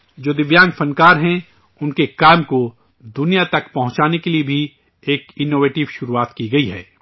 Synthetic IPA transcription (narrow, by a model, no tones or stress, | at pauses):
d͡ʒoːd̪ɪʋjaːŋɡfʰɐ̃nkaːɾɦɛ̃ | ʊnkekaːɪmko | d̪ʊnijat̪ɐkpɐ̃ɦʊ̃t͡ʃaːnekeliebʱi | eːkɪnoːʋeːʈɪʋʃʊɾuaːt̪kiɡɐiɦɛ̰ː